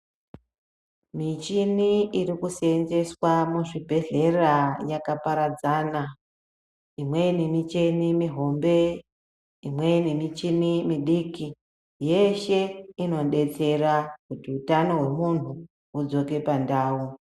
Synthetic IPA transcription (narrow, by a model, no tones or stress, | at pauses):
mit͡ʃiniirikuseenze̞swamuʐibʱe̞ɮe̞rajakapaɾad͡zaːna | imwe̞nimit͡ʃenimiɦo̞mbe̞ | imwe̞nimit͡ʃinimiɗiːki | je̞ʃe̞ino̞ɗe̞t͡se̞rakutiutano̞ɦwe̞mun̤u | ud͡zo̞ke̞pandaːu